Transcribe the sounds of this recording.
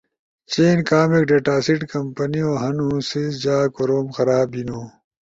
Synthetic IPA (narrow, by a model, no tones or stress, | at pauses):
t͡ɕeːnkaːmik̚ɖeːʈaːsiʈkɐmpɐnioːɦɐnusisd͡ʑaːkoɾoːmxɐɾaːbinoː